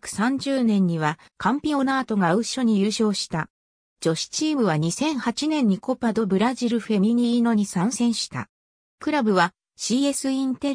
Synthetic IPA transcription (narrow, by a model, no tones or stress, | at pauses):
kɯ̟̥sãɲ̟d͡ʑɨːnẽ̞ɲ̟ːiβa | kʰãmpʲĩo̞naːt̪o̞ɡaɯ̟ɕo̞ɲ̟ijɯːɕo̞ːɕi̥t̪a | d͡ʑo̞ɕi̥t͡ɕiːmɯ̟βaɲ̟isẽ̞ɰ̃hat͡ɕinẽ̞ɲ̟ːiko̞pad̪o̞bɯ̟ɾaʑiɾɯ̟ɸe̞mʲiɲ̟ʲino̞ɲ̟isãɰ̃sẽ̞ɰ̃ɕi̥t̪a̰ | kɯ̟ɾabɯ̟βa | ɕiːe̞sɨĩnt̪e̞ɾ